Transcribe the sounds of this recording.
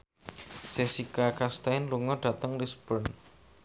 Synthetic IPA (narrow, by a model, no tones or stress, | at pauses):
sesikakast̪anluŋɔdɖ̥ä̤t̪əŋlisb̥ən